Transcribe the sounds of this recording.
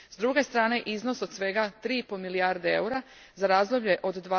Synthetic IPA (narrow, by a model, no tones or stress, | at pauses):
zd̪ɾuɡe̞st̪ɾaːne̞ʔiznoso̞d̪sʋe̞ɡat̪ɾiːipolmilijaːɾd̪ee̞̰uɾa | zaɾaːzd̪lobʎe̞ʔo̞d̪ːʋaː